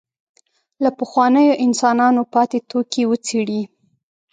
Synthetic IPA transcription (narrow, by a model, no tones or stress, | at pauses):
lapəxwɑnəjoʔɪnsɑnɑnopɑt̪et̪okiwət͡seɽi